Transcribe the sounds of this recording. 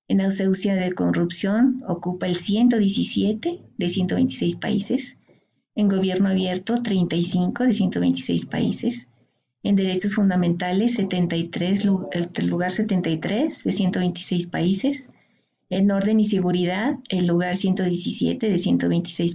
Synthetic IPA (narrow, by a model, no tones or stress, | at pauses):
enawsewsjaðeko̞nrupsjo̞nokupaelsje̞nt̪̬o̞ðje̞sisje̞t̪eðe̞sje̞nt̪oḛjnt̪i̥se̞jspa̰ises | eŋɡo̞βje̞ɾnoaβje̞ɾt̪o̞t̪ɾe̞jnt̪ajsiŋko̞ðesje̞nt̪oβejnt̪i̥sḛjspa̰ḭse̞s | end̪e̞ɾe̞t͡ʃo̞sfund̪amẽnt̪alesːet̪ent̪ajt̪ɾeseluɣaɾset̪e̞nt̪ajt̪ɾezðe̞sje̞nt̪o̞βe̞jnt̪i̥sejspaises | eno̞ɾðe̞nis̬e̞ɣuɾiðaðelːuɣaɾsje̞nt̪o̞ðjesisjḛt̪e̞ðe̞sjent̪o̞βe̞jnt̪i̥sejs